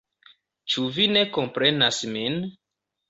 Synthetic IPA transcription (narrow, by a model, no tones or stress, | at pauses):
t͡ʃuvine̞ko̞mpɾe̞nasmin